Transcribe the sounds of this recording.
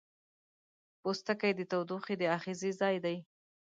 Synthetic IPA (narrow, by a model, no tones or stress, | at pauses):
post̪akajd̪ət̪awd̪uxed̪əaxizizɑjd̪aj